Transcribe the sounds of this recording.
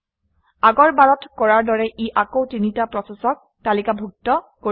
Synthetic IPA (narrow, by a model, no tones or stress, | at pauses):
aɡɔɹbaɹɔtkɔɹaɹdɔɹɛʔiʔakotinitapɹɔsesɔk̚ | talikabʱuk̚tɔ | ko